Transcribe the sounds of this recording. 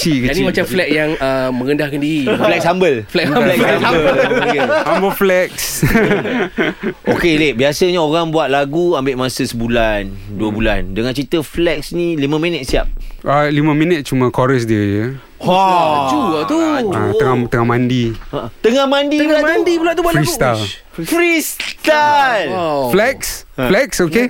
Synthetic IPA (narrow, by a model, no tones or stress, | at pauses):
t͡ʃikəaimat͡ʃamflɛt̪̚jaŋəmə̃ŋəndahkandiɾilɛkshambəlflɛklɛɛa | hambəlflɛk̚s | okelebiasəɲaoɾaŋbuat̪̚laɡuambɪʔmasəsəbulanduəbula̰ndəŋãnt͡ʃit̪əflɛk̚snilimə̃mĩnət̪̚sia̰p̚alimə̃mĩnət̪̚t͡ʃumə̃kɔɾəs̬diəd͡ʒə | t͡ʃut̪uat̪əŋat̪əŋahmãndit̪əŋahmandibulaandibulant̪ubuat̪fɾaiɡst̪al | fɾist̪alflɛkslɛksoke